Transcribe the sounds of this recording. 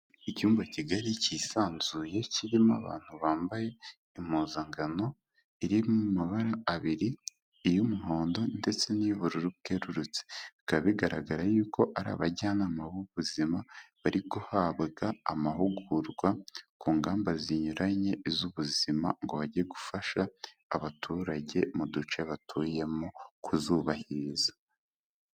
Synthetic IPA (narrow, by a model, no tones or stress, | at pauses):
icuːmbaciɡaɾiciːsaːnzuje̞ciɾima̰βa̰ːn̥huβaːmbaje̞ | imoːzaŋɡano̞ | iɾimumaβaɾaːβiɾiː | jumuɦoːndo̞nde̞t͡se̞niβuɾuɾuβɡeɾuɾut͡se̥βikaββiɡaɾaɡaɾajuːko̞ʔaɾa̰ːβaɟaːnamaβuβuzimaβaɾiɡuhaβɡaːmaɦuɡuɾɡwakuːŋɡaːmbaziɲuɾʔaɲe̞izuβuzima̰ŋɡo̞βaɟieɡufaʃaː | βatʰuɾaɟe̞mudut͡ʃeβatʰuje̞mokʰuzuβahiza